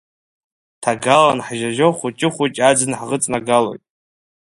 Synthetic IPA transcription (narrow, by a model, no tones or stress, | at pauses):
tʰaɡalanħʒaʒoχʷut͡ʃʼɪχʷut͡ʃʲʼad͡zɨnħʁət͡sʼnaɡalo̞̰jtʼ